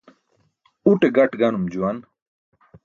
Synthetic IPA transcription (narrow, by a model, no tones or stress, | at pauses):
uʈeɡɐʈɡɐnumd͡ʑuwɐn